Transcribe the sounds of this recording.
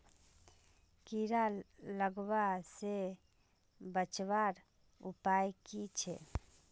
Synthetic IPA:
kiɾalləɡwase | bət͡ʃwaɾ | upajkit͡ʃʰɛ

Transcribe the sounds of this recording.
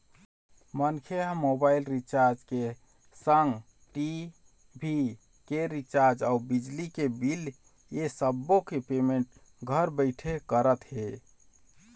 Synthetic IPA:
mənkʰeamobailɾit͡ʃaɾd͡ʒke | səŋɡ | ʈi | bʱi | keɾit͡ʃaɾd͡ʒaubid͡ʒlikebil | jesəbːokepemeɳʈ | ɡʱəɾbəɪʈʰekəɾət̪ɦe

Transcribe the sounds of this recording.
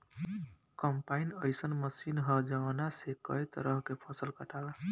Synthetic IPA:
kəmpainəjsənməsinɦəd͡ʒaʋnasekəjt̪ə̰ɾəɦkepʰəsəlkəʈawe

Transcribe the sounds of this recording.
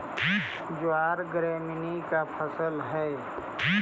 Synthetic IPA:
d͡ʒoaːɾɡɾeːmɪnikapʰəsəlɦɛː

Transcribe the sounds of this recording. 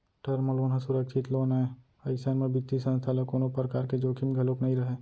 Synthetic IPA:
ʈɐɾmoloːnɦãsʊɾəkʃʰɪt̪loːnaẽ | ɐɪsənmẽbɪt̪ːisə̃nst̪ʰaləkoːnopɾəkaːɾked͡ʒoːkʰimɡʱɐloknɐɦĩɾɐɦeː

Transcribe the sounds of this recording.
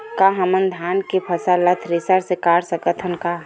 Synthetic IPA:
kaɦəmənd̪ʱaːnkepʰəsalət̪ʰɾisaɾsekaːɽsəkət̪ʰənka

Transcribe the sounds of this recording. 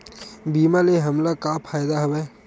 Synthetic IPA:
biːmaleɦɐmlakapʰaːjd̪aɦɐwɛː

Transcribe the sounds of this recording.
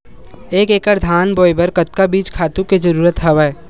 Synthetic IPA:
eːkeːkəɾd̪ʱaːnboːibəɾkət̪̚kabiːt͡ʃkʰaːt̪ũked͡ʒɐɾuːɾət̪ɦɐʋaɛ

